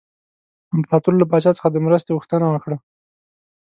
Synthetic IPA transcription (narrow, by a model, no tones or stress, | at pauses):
amplɑt̪uɾolap̬ɑt͡ʃɑt͡sə̥xad̪əmɾəst̪oɣuxt̪ənawəkɽa